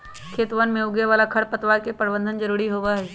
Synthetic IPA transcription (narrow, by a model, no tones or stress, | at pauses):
kʰeːt̪ʋənmẽʊɡeʋaːlakʰɐɽpɐt̪ʋaːɾkepəɾbə̃nd̪ʱənd͡ʒɐɾuːɾiɦoːɡaɦɛː